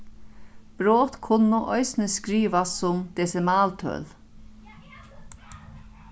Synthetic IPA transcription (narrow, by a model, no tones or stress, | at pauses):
b̥ɾoːt̪kʰʊnːʊʔɔɪsnəskɾiːʋasʊmd̪̥ɛːsɛmaːlt̪ʰœ̰ːl